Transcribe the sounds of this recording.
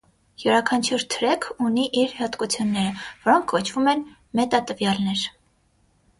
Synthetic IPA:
juɾɑkʰɑnt͡ʃʰuɾt̪ʰəɾɛkʰuniʔiɾhɑt̪kut͡sʰjunːɛɾəvɔɾɔŋkʰkɔt͡ʃʰv̥umɛn | mɛt̪ɑt̪əvjɑlnɛɾ

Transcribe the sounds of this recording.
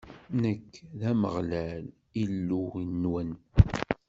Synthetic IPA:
nəkːðæmə̰ʁlæl | ilːuinːwən

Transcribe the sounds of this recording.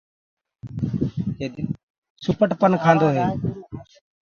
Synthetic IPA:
d͡ʒeːd̪ɪn | sʊpəʈpənkʰãːnd̪oːɦeː

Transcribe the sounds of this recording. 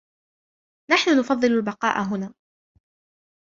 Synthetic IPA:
naħnʊnʊfɑðˤːɨlalbɑqɑ̰ːʔaɦʊnaː

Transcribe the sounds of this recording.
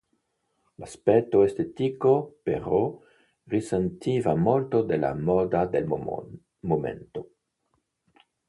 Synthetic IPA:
laspetoest̪etikopeɾo | ʁisent̪ivamoltod̪ela̰mod̪ad̪el | momḛnto

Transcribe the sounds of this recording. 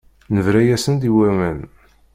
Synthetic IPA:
nəvɾæjæsənd̪iwæmæn

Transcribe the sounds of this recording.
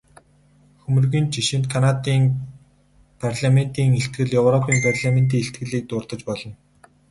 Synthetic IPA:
xɵmɵ̆rɣiːnt͡ɕiʃɪ̆nt̪̚kʰanat̪iːŋ | pʰarɮamen̥t̪iːŋeɬt̪̚ɡɘ̆ɮjɵwrɔpʰiːmpʰarɮament̪iːŋeɬt̪ɡɘ̆ɮiːk̚t̪ʊːrt̪ə̆t͡ɕpɔɮɞ̆n

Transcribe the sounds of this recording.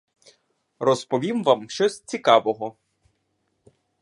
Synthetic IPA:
rɔspɔʋʲimʋamʃt͡ʃɔsʲt͡sʲikɑʋɔɦɔ

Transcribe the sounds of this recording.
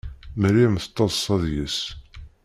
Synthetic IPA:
məɾimθə̥t̪ˤːɑˤsˤːɑðjəs

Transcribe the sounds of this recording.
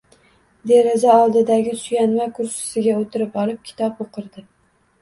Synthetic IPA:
d̪e̞ɾazaɒlˠd̪ɪd̪aɡʲɪt̪ʰʊ̥ʃjʲanmakʰʊɾʃɪ̥sɪɡʲaot̪ʰɪɾɪpɒlˠɪp̚kʲʰɪ̥t̪ʰɒpoqʰɨɾd̪ɪ

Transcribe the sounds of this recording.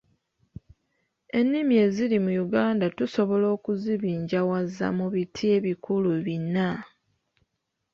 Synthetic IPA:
e̞nːimie̞ziɾimujuɡaːndatuso̞βo̞lo̞ːkuziβiːɲɟawazːa̰muβitʰie̞βikuluβinːa

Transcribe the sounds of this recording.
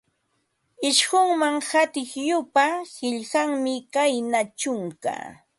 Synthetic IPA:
ɪʃɢʊŋmaŋhat̪ɪχjʊpahɪʎɢaŋmɪkajnat͡ʃʊŋka̰

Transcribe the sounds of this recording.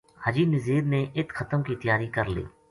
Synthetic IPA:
həd͡ʒiːnəziːɾneːʔɪt̪xʰət̪əmkit̪ɪjaːɾiːkəɾlḭː

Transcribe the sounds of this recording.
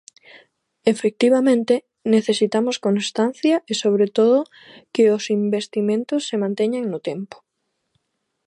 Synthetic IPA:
efek̚t̪iβamẽnt̪e | neθesit̪amoskonst̪anθjɐʔesoβ̞ɾet̪oðʊ | kɪosimbest̪imẽnt̪ʊsːemãnt̪ɛɲaŋnʊt̪empo̥

